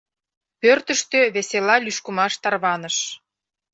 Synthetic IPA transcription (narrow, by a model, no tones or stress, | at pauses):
pørt̪əʃt̪øβeselɑlyʃkumɑʃt̪ɑrβɑnəʃ